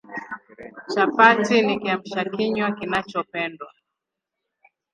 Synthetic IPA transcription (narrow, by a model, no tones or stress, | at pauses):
t͡ʃapatinikiam̩ʃakiɲwakinat͡ʃɔpɛndwa